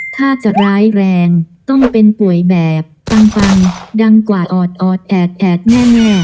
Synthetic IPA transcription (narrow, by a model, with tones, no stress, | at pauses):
t̪ʰaː˥˩t͡ɕa˨˩ɾaː˦˥jɾɛː˧ŋt̪ɔ˥˩ŋpe˧npu˨˩əjbɛː˨˩p̚fa˧ŋfa˧ŋda˧ŋkwaː˨˩ʔɔː˨˩t̪̚ʔɔː˨˩t̪̚ʔɛː˨˩t̪̚ʔɛː˨˩t̪̚nɛː˥˩nɔː˥˩k